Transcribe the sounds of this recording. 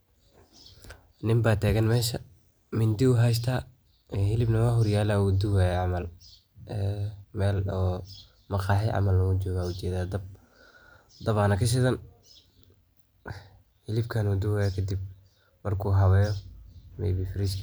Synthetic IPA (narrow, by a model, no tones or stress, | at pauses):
nɪmbaːt̪ʰɛːɣɐnmɛːʃɐ | mɪnd̪ɪʊɦɛjs̬t̪ʰaː | ɛhɪlɪbnɐwaɦɔrjaːlaːʊd̪ʊwaːjɛʕɑmɐl | ɛːmɛːlɔː | mɐqɑːħɪʕɑ̰mɐlnɐmʊt͡ʃɔːɣaːut͡ʃɛːðaːd̪ɐb̚ | d̪ɐβaːnɐkʰɐʃ̬ɪðɐn | hɪlɪbkʰɐnud̪ʊwaːjɛkʰɐd̪ib̚ | mɐrkʰuːɦɐwɛːjɔmɛ̰jβifɪɾɪʃkʰ